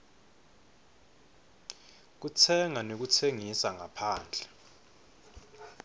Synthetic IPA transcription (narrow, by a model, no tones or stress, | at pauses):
k̬ut͡sʰɛŋanok̬ut͡sʰeŋisaŋapʰaːnd͡ɮʱɛ